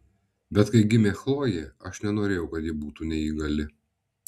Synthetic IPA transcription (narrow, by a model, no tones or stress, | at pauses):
bʲɛt̪kɐɪɡʲɪmʲeːxlˠoːjeːɐʃnʲɛnoːɾʲeːjɛʊkɐt̪jɪbuːt̪uːnʲɛiːɡɐlʲɪ